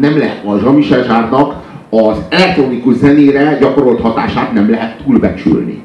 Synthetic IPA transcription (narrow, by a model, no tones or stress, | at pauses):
nɛmlɛɦɛt̪ɒʒɒmiʃɛʒaːrnɒk | ɒzɛlɛk̚t̪ronikuʒzɛneːɾɛɟɒko̞ɾo̞lt̪hɒt̪aːʃaːt̪nɛmlɛɦɛt̪ːuːlbɛt͡ʃy̰lnḭ